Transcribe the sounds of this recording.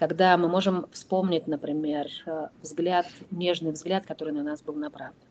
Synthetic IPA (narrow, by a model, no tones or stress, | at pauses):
kɐɡd̪amɨmo̞ʐɨmfspo̞mnʲɪt̚ʲnəpɾʲɪmʲe̞rvzɡlʲat̪nʲe̞ʐnɨjvzɡlʲat̪kɐt̪o̞ɾɨjnɐnasbɨlˠnɐpɾavn